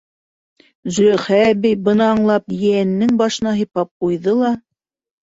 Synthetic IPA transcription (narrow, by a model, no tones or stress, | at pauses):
zɵ̆læχæbɘjbɤ̆nɑːɴlˠɑpjɘænːɘŋbɑʃɤ̆nɑɦɤ̆jpɑp̚qujðɤlˠɑ